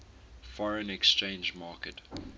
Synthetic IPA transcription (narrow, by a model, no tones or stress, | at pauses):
fɔɹə̃nɛkst͡ʃẽɪ̃nd͡ʒmɑːkət